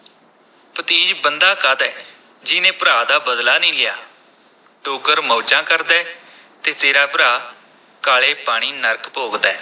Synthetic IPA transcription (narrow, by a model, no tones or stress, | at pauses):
pət̪iːd͡ʒbənd̪aːkəd̪ɛː | d͡ʒɪnẽːpɾaːd̪aːbəd̪laːnĩːlɪjaː | ʈoːɡəɾmɔːd͡ʒãːkəɾd̪ɛː | t̪eːt̪eːɾaːpəɾaː | kaːleːpaːɽ̃iːnəɾkpoːɡd̪ɛː